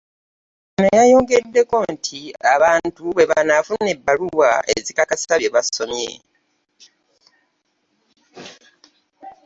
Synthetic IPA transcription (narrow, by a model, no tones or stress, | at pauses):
nejajo̞ːŋɡe̞dːe̞ko̞ntʰiaβaːntuβe̞βanafunːe̞bːaluwae̞̰zikakasi̥aβjeβaso̞mje̞̰